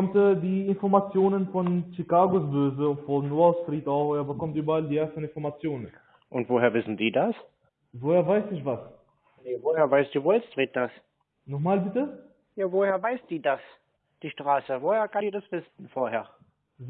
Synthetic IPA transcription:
ɔmtːdiːɪnfɔɐmat͡sjoːnənfɔnʃikaːɡosbøːzəʊntfɔnːoaʊstʁ̥iːtaʊxːɐbəkɔmtʔyːbɐaldiːʔeːɐstn̩ɪnfɔɐmat͡sjoːnən | ʔʊntv̥oːheːɐvɪsn̩diːdas | voːheːɐvaɪsɪçvas | nevoːheːɐvaɪsd̥iːvoɛtʁ̥iːt̚d̥as | nɔχmaːlbɪtə | jaːvoheːɐvaɪsd̥iːdas | d̥iːʃtʁ̥aːsəvoːheːɐkʰadiːdasv̥ɪsn̩foːɐheːɐ

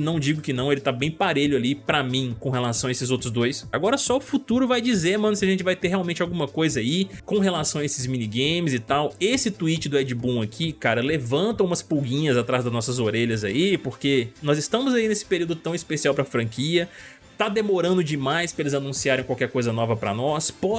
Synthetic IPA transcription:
nɐ̃w̃d͡ʒiɡʊkɪnɐ̃w̃elɪt̪abẽj̃paɾeʎʊalipɾɐmĩkõɦelasɐ̃w̃ɐesɪzowt̪ɾʊzd̪ojsaɡɔɾɐsɔʊfut̪uɾʊvajd͡ʒizeɾmɐ̃nʊsɪɐʒẽnt͡ʃɪvajt̪eɦeawmẽnt͡ʃawɡũmɐkojzɐaikõɦelasɐ̃w̃ɐesɪzmĩniɡẽmɪzɪt̪awesɪt̪uit͡ʃɪd̪ʊɛd͡ʒɪbũakʰikaɾɐlevɐ̃nt̪ɐ̃ũmɐspuɡĩɲɐzat̪ɾazd̪ɐznɔsɐzoɾeʎɐzaipoɾkenɔzɪst̪ɐ̃mʊzainesɪ̥peɾiuwd̪ʊt̪ɐ̃w̃ispesiawpɾɐfɾɐ̃ŋkiɐ | t̪ad̪emoɾɐ̃nd̪ʊd͡ʒɪmajspɾɐelɪzanũsiaɾẽj̃kwawkɛɾkojzɐnɔvɐpɾɐ̰nɔspɔ

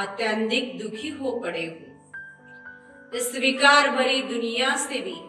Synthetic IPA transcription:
at̪jə̃nd̪ɪk̚d̪ʊkʰiɦopɐɽeːɦõː | ɪsʋikaːɾmɐɾid̪ʊnɪjasebʱi

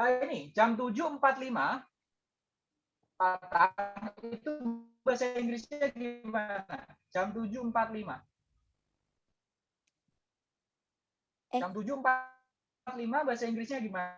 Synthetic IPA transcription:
ainɪd͡ʒamt̪̬ud͡ʒuəmpat̪̚lima | pat̪ait̪ubaasaiŋɡɾisɲaɡimaad͡ʒamt̪̬ud͡ʒumpat̪̚lima̰ | d͡ʒamt̪̬ud͡ʒuəmpa | t̪limabaasaiŋɡɾisɲaɡima

